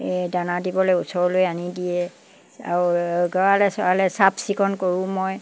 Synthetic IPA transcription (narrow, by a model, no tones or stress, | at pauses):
danadibɔlojusɔɹɔlojanidijɛ | a̰ɹuɡɔkalɛsɔkalɛsabsikʰɔnkoɹʊ̃mɔj